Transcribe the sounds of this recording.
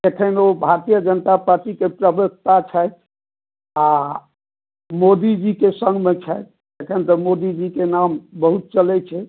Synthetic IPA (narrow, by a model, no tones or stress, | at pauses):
t̪ekʰənobʱaɾt̪ijəd͡ʒənət̪apaɾʈikepɾəbək̚t̪at͡ʃʰəjt̪̚ | a | mod̪id͡ʒikesəŋɡmet͡ʃʰɛet̪̚ | t̪ekʰənt̪əmod̪id͡ʒikenambəɦut̪̚t͡ʃəlɛt͡ʃʰɛ